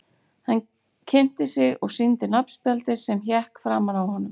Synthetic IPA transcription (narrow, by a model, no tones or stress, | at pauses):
han | cʰɪm̥t̪ɪsɪɣɔɣsint̪ɪnapn̥spjalt̪ɪsɛmçɛhkfɾaːmanawhɔnːʏm